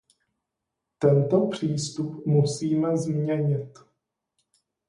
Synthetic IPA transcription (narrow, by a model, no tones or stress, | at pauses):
t̪ɛnt̪opr̝̥iːst̪upmusiːmɛzmɲɛɲɪt̪